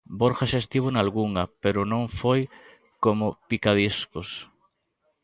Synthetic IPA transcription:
boɾxaʃast̪iβonalɣuŋɐpeɾʊnõŋfoj | komopikaðiskos

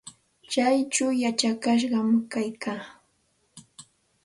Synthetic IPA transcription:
t͡ʃajt͡ʃawjat͡ʃakaʃ̬ɢɑmkajkʰaː

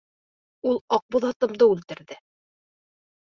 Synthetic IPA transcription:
ulˠɑq̚buðɑt̪ɤ̆md̪ɤʉlt̪ɘ̆ɾðɘ

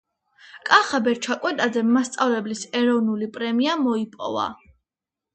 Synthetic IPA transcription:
kʼaχabɛɾt͡ʃʰakʼwɛt̪ʼazɛmːast̪sʼavlɛblisɛɾɔvnulipʼɾɛmiamɔipʼɔ̰va̰

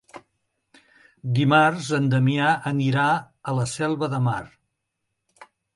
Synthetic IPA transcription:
d̪imarzənd̪əmiaʔəniɾa | ələsɛlˠβəðəma̰r

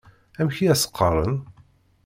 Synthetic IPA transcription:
æmçiæsə̥qʰːɑɾˤə̰n

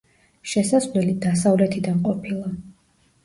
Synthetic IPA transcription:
ʃɛsazlɛlid̪asavlɛt̪ʰid̪anqʼɔpʰilˠa

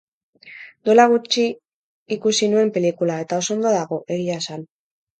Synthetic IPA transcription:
d̪o̞laɣ̞ut͡ʃiː | kusinue̞mpe̞likulae̞t̪ao̞so̞nd̪oðaɣ̞o̞ʔe̞ɣiasan

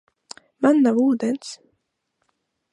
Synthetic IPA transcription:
manːavuːd̪ɛns

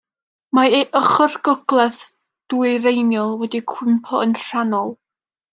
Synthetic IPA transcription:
maeʔəχɔrɡɔɡlˠɛθ | d̥uɨɾejnjɔlˠwɛdikʰw̥ɪmpʰɔənr̥anɔlˠ

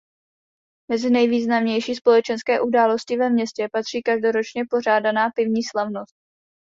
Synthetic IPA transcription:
mɛzɪnɛjviːznamɲɛjʃiːspo̞lɛt͡ʃɛnskɛːʔudaːlo̞scɪvɛmɲɛscɛpat̪r̝̥iːkaʒdo̞ɾo̞t͡ʃɲɛpo̞raːdanaːpɪvɲiːslavno̞st̪̚

